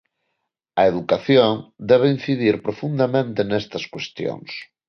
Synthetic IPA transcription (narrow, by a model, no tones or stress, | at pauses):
ɐeðukaθjoŋd̪ɛβein̟θiðiɾpɾofund̪ɐmẽnt̪enɛst̪ɐskwest̪jo̰ŋs